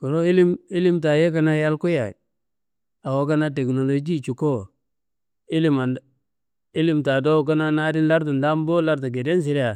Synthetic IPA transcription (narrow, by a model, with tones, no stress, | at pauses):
ko˨lo˦i˦li˦mi˦li˦mta˨je˦ka˦na˦ja˦lkʊ˦ja̰˨ | a˨wo˦ka˦na˦te˨kno˨lo˨d͡ʒi˦˨t͡ʃu˨ko˦ | i˦li˦ma˨n | i˦li˦mta˨do˦˨ka˦na˦na˦di˦nla˦ɾtu˨nda˦m˦bo˦la˦ɾt̬u˨ɡe˨de˦ns̬i˦ɾa˨